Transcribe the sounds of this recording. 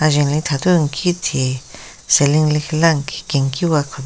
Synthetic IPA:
aʒelĩt̪ʰat̪uŋkʰit̪ʰi | selĩŋlixlaŋki̥keŋkiwakʷʰa

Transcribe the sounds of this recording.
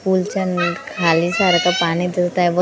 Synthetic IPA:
kuːlt͡ʃənkʰaːlisaːɾkapaːnid̪est̪aɦɛʋo

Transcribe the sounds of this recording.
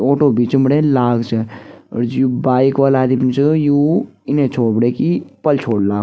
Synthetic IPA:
oːʈoːbiːt͡ʃəmɽeːlaːɡt͡ʃə̰ɾd͡ʒjuːbaːikʋaːlaːd̪imt͡ʃəjuːɪnẽt͡ʃʰoːɽbɽeːkipəlt͡ʃʰoːɽlaːɡ

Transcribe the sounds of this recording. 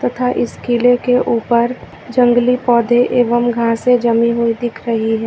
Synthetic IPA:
t̪ɐt̪ʰaʔɪskilekeʔuːpəɾ | d͡ʒə̃ŋɡlipɔːd̪ʱeʔeːʋəmɡʱãːsed͡ʒɐmiɦoid̪ɪkʰɾəɦiɦɛː

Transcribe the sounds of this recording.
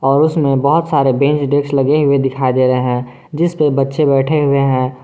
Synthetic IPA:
ɔːɾʊsmẽbɔɦʊt̪saːɾebẽːnt͡ʃɖeːkslɐɡeɦʊed̪ɪkʰaːid̪eɾəɦɛ̃ː | d͡ʒɪspəbɐtːʃebɛːʈʰeɦʊeɦɛ̃ː

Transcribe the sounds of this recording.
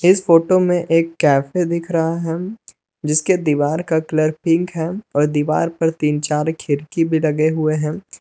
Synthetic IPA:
ɪsfoːʈomẽʔeːkːɛːfed̪ɪkʰɾɐɦaɦɛ | d͡ʒɪsked̪iːʋaːɾkakləɾpɪ̃ŋkɦɛ̃ɔːɾd̪iːʋa̰ːɾpɐɾt̪iːnt͡ʃaːɾkʰɪɾkibʱilɐɡeɦʊeɦɛ̃ː

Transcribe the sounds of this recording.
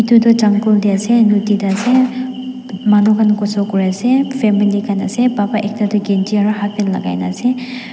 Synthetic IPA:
itudɔd͡ʒaŋkuldiasenutidase | manɔkʰanɡɔsɔkuɾasepʰemilikʰanasebapaʔek̚tadɔɡentiaɾaɦat̚penla̰ɡa̰jna̰se

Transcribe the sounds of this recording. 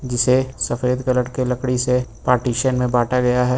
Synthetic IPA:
d͡ʒɪsesɐfeːd̪kɐləʈkelɐkɽisepaːɾʈiːʃənmẽbaːʈaɡɐjaɦɛː

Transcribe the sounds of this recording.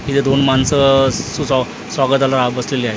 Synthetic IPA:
it̪ʰed̪onmansəsusa | sʋaɡət̪alaɾabəsleliaɦe

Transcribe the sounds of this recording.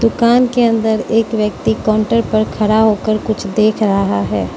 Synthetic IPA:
d̪ʊkaːnkeɐ̃nd̪əɾeːkʋjək̚t̪ikãːɳʈəɾpɐɾkʰɐɾaɦoːkəɾkʊt͡ʃʰd̪eːkʰɾəɦaɦɛː

